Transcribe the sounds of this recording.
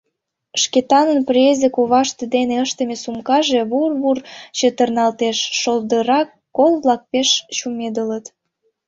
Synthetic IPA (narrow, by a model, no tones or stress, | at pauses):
ʃket̪ɑnənprʲezəkuβɑʃt̪əd̪eneəʃt̪ə̆mesumkɑʒeβurβurt͡ɕə̆t̪ərnɑlt̪eʃːold̪əɾɑkːolβlɑk̚peʃt͡ɕumed̪ələt̪